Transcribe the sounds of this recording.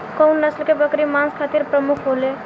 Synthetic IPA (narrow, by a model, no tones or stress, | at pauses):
kəwnːəslkebəkɾimanskʰat̪iɾpɾəmukʰɦole